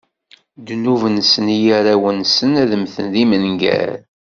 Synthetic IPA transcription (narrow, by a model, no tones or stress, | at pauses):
d̪nuvənsənijæɾæwənsənæðəmθənðimənɡæ̰ɾ